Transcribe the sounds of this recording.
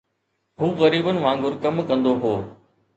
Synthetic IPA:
ɦuːɣəɾiːbənɪ̆ʋãːŋɡʊɾkɐmkɐ̃nd̪oɦoː

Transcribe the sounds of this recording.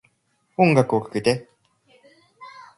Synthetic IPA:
oŋɡakɯokɯ̥kɯt̪e

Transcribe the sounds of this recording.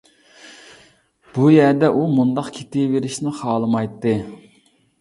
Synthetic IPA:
b̥ujɛɾd̪ɛʔumund̪ɑqkʲʰe̥t̪ɪveɾɪʃnɪχɑːlˠɨmɑjt̪ːɨ

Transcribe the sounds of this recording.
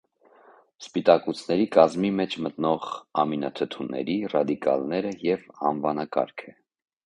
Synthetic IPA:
spit̪ɑkut͡sʰnɛɾikɑzmimɛt͡ʃʰmət̪nɔʁɑminɑt̪ʰət̪ʰunɛ̰ɾirɑd̪ikɑ̰lnɛɾəjɛvɑ̰nvɑnɑkɑ̰ɾkʰɛ

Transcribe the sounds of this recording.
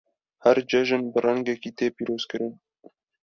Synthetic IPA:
hæɾd͡ʒɛʒɨnbɨrɛŋɡɛkiːt̪eːpiːɾoːz̥kɨɾɨn

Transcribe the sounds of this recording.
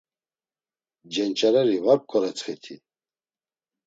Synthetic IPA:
d͡ʒɛnt͡ʃʼaɾɛɾivaɾp̚kʰʼɔɾɛt͡sχɛt̪ʰi

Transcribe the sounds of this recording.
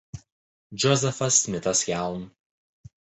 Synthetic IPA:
d͡ʒʲɔzʲɛfɐsmʲɪt̪ɐsjæˑʊn

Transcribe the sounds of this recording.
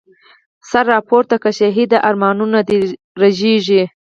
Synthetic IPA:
saɾːɑpʰoɾt̪akaʃaɦid̪aʔaɾmɑːnunad̪i | ɾaʒeʒi

